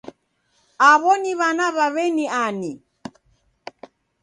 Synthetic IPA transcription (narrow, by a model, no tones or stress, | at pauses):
aβɔniβanaβaβɛniani